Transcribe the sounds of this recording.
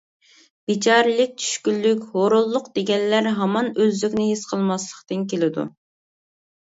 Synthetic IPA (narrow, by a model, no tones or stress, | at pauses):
b̥it͡ʃʰɑːɾɨlˠɪk̚ʲt͡ʃʰy̥ʃkʲylːykʲhoɾʊlˠːʊqd̪eɡʲɛnːæɾɦɑmɑnøzlykʲnɪɦisqʰəlˠmɑslˠə̥qt̪ɨnkʲelɪd̪ṵ